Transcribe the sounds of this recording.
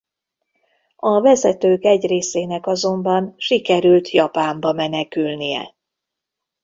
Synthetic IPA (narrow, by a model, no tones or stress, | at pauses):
ɒvɛzɛt̪øːkɛɟreːseːnɛkɒzo̞mbɒnʃikɛɾylt̪ʰjɒpaːmbɒmɛnɛkylnijɛ̰